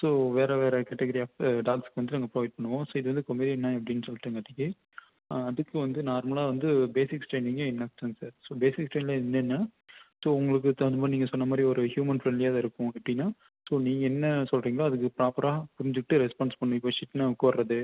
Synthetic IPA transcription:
soːʋeːɾɛʋeːɾɛkɛʈːɛɡɐɾiaːɖaːkskːɯʋɐnd̪ɯnɐŋɡɐpɾoʋɐɪʈ̚pɐɳːɯʋõːsoːɪðɯʋɐnd̪ɯkɔmiːɾiɛnːãːɐp̬ːɐɽɪnːsɔlːaːŋɡɐt̪ɪŋe | ɐðɯkːɯʋɐnd̪ɯnaːɾmɐlaːʋɐnd̪ɯbeːsɪksʈɾeːniːŋɡɐɪnːɐksɐnsaːɾsoːbeːsɪkːsʈɾeːnlɐɪnːɐnːɐ | soːʊŋɡɐɭɯk̬ːɯt̪ɐnd̪ɐmaːniːŋɡɐsɔnːɐmaːd̪ɾiɔɾɯhjuːmɐnfɾɛnljaːðɐɪɾɯkːʊ̃ɐpːɐɽɪnːaː | soːniːŋɡɐɛnːɐsɔlɾiːŋɡɐɭaːɐðɯkːɯpɪɾaːpɐɾaːpʊɾɪɲd͡ʒɯkʈːɯɾɛspaːnspɐɳːʊ̃ɪpːoʃɪʈːnakːoːɐɾɾɐðɯ

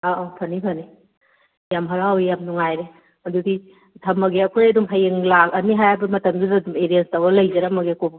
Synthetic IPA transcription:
aʔopʰɐnipʰɐni | jamɦɐɾawijamnuŋajɾe | ɐdudi | tʰɐmːɐɡeɐkʰojɐdumpʰɐjeŋlakɐniɦajabɐmɐtɐmdudːdumeɾienstɐwɐlɐjzɐɾɐmɐɡekʰob

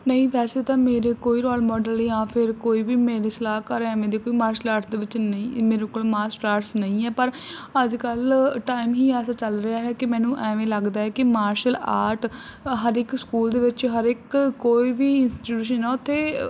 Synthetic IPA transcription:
nəĩːpɛːseːt̪ãːmeːɾeːkoːiːɾɔːlmɔːɖəliːjãːpʰɪɾkoːiːʋiːmeːɾeːsəlaːkəɾɛːʋẽːd̪eːkoːiːmaːɾʃəlaːɾʈʰd̪eːʋɪt͡ʃnəĩːmeːɾeːkoːlmaːsʈaːɾsnəĩːɛːpəɾəd͡ʒkəlʈaːimɦiːɛːsaːt͡ʃəlɾɪaːɦɛːkɪmɛ̃ːnũːʔɛːʋẽːləɡd̪aːɦɛːkɪmaːɾʃəlaːɾʈʰɦəɾɪkskuːld̪eːʋɪt͡ʃɦəɾɪkːoːiːʋiːɪnsʈiʈuːʃ̬ənːɛːʊt̪ʰːeː

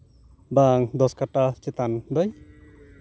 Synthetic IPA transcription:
baŋd̪ɔskaʈat͡ʃet̪and̪ɔj

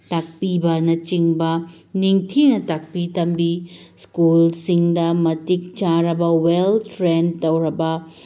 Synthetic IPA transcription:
tak̚pibɐnɐt͡ʃiŋbɐniŋtʰinɐtak̚pitɐmbiskulsiŋdɐmɐtik̚t͡ʃaɾɐbɐweltʰɾentɐwɾɐbɐ

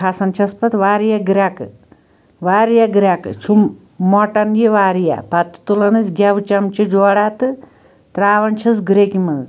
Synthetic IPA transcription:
kʰasɐnt͡ʃʰɐspɐt̪ʋaːɾjaɡɾʲakɨ | ʋaːɾjaɡɾʲakɨt͡ʃʰumː | ɔʈɐnjeʋaːɾja̰pɐt̪ɨ̥t̪ulɐnɨsɡʲɐʋt͡ʃɐmt͡ʃid͡ʒoːɽat̪ɨ | t̪ɾaːʋɐnt͡ʃʰɐsɡɾekimɐnz

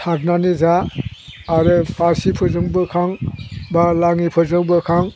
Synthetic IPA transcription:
tʰak̚nanizaː | ɾɯpʰaɾsipʰɯzɯŋbɯkʰaŋbalaŋipʰɯzɯŋbɯkʰaŋ

